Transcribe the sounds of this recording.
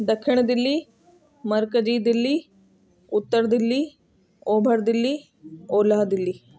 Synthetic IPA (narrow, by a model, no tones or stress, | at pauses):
d̪ɐkʰʂiɳ̃d̪ilːi | mɐɾkəd͡ʒiːd̪ilːi | ut̪ːəɾd̪ilːi | oːbʱəɾd̪ilːi | oːlaɦd̪ilːi